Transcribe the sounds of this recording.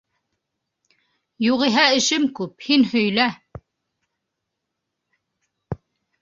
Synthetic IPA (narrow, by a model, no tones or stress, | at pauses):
juʁiɦæɘ̆ʃɘmkʉphinhɵ̆jlæ